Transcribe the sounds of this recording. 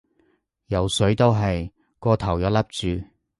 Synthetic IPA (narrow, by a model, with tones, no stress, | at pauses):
jɐ˨˧wsɵ˨˥ɥt̪o˥wɦɐ˨j | kɔː˧t̪ʰɐ˨˩wjɔː˨˧˥lɐ˥p̚t͡syː˨˧